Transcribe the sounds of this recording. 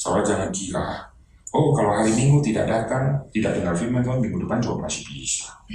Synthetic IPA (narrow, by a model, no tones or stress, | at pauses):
sa̰lad͡ʒaŋankiɾa̰ | ɔkaloɦaɾimiŋɡut̪ida̰ʔdat̪aŋt̪idaʔ̚dəŋarfimant̪ɔbiŋudupand͡ʒɔaʔmasi̥hbisḁ